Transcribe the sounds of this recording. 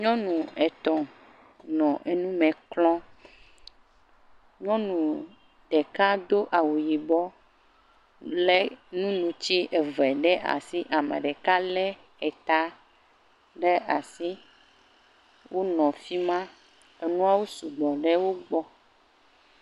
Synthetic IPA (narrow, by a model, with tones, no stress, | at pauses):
ɲɔ̃˦nũ˨ɛ˨t̪ɔ̃˨ | nɔ̃˨ʔe˨nũ˦mɛ̃˨klɔ̃˦ | ɲɔ̃˦nũ˨ | ɖ̥ɛ˨ka˦d̪o˦ʔa˨wu˨ji˨bɔ˦ | lɛ˦nũ˦nũ˨t͡ɕi˦ʔɛ˨vɛ˨ɖɛ˦ʔa̰˨si˦ʔa˨mɛ̰˨ɖɛ˨ka˦lɛ˦ | ɛ˨t̪a˦ | ɖɛ˦a˨si˦ | wʔo˦nɔ̃˨fi˦mã˦ | e˨nũ˦a˦wo˦su˨ɡ͡bɔ˨ɖɛ˦wo˦ɡ͡bɔ˦